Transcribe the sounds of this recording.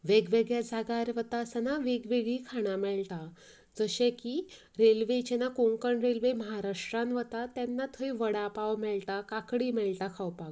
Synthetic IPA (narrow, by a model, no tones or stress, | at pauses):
ʋeɡʋeɡjad͡zʱaɡaɾʋət̪asanaʋeɡʋeɡiːkʰaɽ̃amɛɭt̪a | d͡zəɕẽki | ɾelʋet͡ɕenakoŋkəɳɾelʋeməɦaɾaʂʈɾanʋət̪at̪ɛnːat̪ʰəiʋəɽapaʋmɛɭt̪akakɽiːmɛɭʈ̪akʰawpaɡ